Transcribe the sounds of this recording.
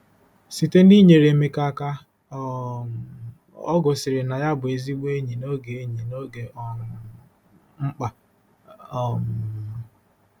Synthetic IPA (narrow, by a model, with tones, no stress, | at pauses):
si˨te˦ni˦ɲe˨ɾe˨me˦ka˦ka˦ | ɔ̰˦ɡʊ˨sɪ˨ɾɪ˨na˨ja˦bʊ˨e˨zi˦ɡ͡be˦ɲi˨no˦ɡe˨e˦ɲi˨no˦ɡe˨ʔɔ˦˨ | ŋ͡m̩˦k͡pa˨ | m˨˦